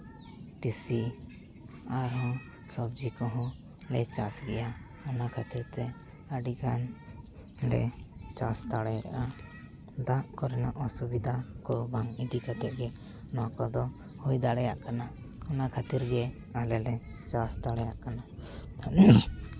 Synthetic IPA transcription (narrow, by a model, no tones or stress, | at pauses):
ʈisi | aɾɦɔ̃ | sɔbd͡ʒikɔɦɔ̃ | lɛt͡ʃasɡɛja | ɔnakʰat̪iɾt̪ɛ | əɖiɡan | lɛ̰t͡ʃast̪aɽɛjɾa̰ʔa | d̪aʔkɔɾɛnaʔɔsubid̪ʱakɔbaŋid̪ikʰat̪ɛʔ̚ɡɛ | nakɔd̪ɔ | hujd̪aɽɛjaʔkana | ɔnakʰat̪iɾɡɛ | alɛlɛt͡ʃast̪aɽɛjaʔkanaanɛ